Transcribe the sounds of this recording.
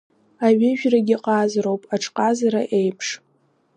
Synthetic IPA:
aɥɪʒᶣraɡʲɪqʼazro̞wpʼaʈ͡ʂʰʼqʼazaɾaʔe̞jpʰʂ

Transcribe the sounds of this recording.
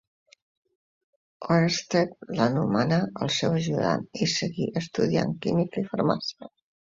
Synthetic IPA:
oɾəst̪et̪̚lanumanaə̰lˠsɛwəʒuða̰nisəɣiʔəst̪uð̞ia̰ŋkimikifaɾmasə

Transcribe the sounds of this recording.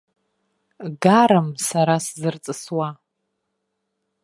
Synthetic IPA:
ɡaɾɨmsaɾaszɨrt͡sʼɨswa

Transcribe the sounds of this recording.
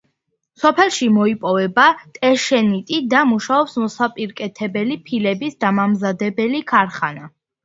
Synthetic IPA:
sɔpʰɛlˠʃimɔipʼɔvɛbat̪ʼɛʃɛnit̪ʼid̪amuʃaɔpsmɔsapʼiɾkʼɛt̪ʰɛbɛlipʰilɛbisd̪amamzad̪ɛbɛlikʰaɾχana

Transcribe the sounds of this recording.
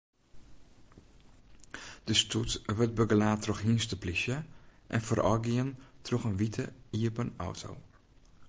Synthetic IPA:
d̥əstʰutʋət̚bəɡəlaːtʰrɔxɦinstəplisjəʔɛnfərʔɔ̰ɡiəntroxənʋitʰəiəpənɔ̰wtʰo̰w

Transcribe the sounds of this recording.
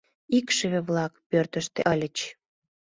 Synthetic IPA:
ikʃəβĕβlɑkpørt̪əʃt̪ḛʔəlʲət͡ɕ

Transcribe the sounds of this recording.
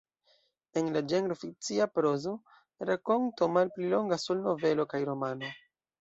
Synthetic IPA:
enlad͡ʒenɡɾofik̚t͡siapɾo̞zo̞ | ɾako̞nto̞malplilo̞ŋɡasulno̞ve̞lo̞kajɾo̞mano̞

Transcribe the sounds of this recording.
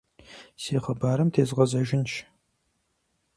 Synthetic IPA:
seːχəbaːɾɨmtʰeːzʁɐzɐʒɪnʃ

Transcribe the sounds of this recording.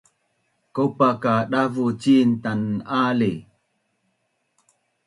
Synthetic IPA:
kopakaɗavut͡ʃin̩tanale

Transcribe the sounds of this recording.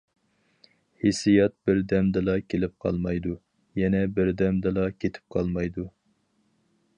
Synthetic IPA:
hesijɛt̪̚bɪɾd̪ɛmd̪ɨlˠɑkʲʰelɪp̚qʰɑ̰lˠmɑjd̪u | jɛnɛbɪɾd̪ɛmd̪ɨlˠɑkʲʰet̪ʰɪ̥p̚qʰɑlˠmɑjd̪u

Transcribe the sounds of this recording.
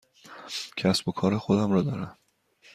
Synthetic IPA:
cʰæsbo̞kʰɒːɾexod̪æmɾɒːd̪ɒːɾæm

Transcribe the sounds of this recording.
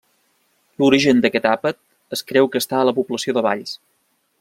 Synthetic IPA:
luɾiʒənd̪əkɛt̪apət̪̚ | əskɾɛwkəst̪aələpupləsioðəβa̰ʎs

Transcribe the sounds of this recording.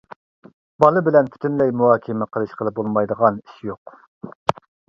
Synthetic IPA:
bɑlˠɨbɪlɛnp̪ʰy̥t̪ʰynlɛjmuhɑːkʲʰɪmɪqʰəlˠɨʃqʰəlˠɨp̚bolˠmɑjd̪əʁɑni̥ʃjoq

